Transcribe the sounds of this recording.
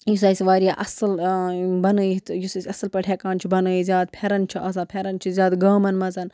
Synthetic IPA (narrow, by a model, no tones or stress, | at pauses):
jus̬ɐːsʲiʋaːɾijaːʔɐsɨlbɐnɨit̪jusɐsʲɐsɨlpɐʈʰʲeːkaːnt͡ʃʰibɐnɨːizʲjaːd̪̚pʰeɾɐnt͡ʃʰiʔɐs̬aːpʰʲeɾɐnt͡ʃʰizʲjaːd̪ɡaːmɐnmɐzɐn